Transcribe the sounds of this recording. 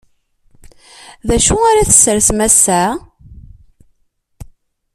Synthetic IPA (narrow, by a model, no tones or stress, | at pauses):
ðæʃuaɾaθə̥sːəɾθmæsːa